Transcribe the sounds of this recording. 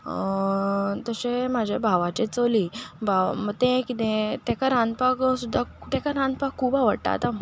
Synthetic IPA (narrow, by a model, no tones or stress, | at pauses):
t̪əɕemad͡ʑʱabʱaʋat͡ɕet͡soliːbʱaməɡt̪ẽkit̪ẽt̪ɛkaɾãnd̪̚paksud̪ʱːat̪akaɾãnd̪̚pakʰːubaʋəɽʈa̰t̪a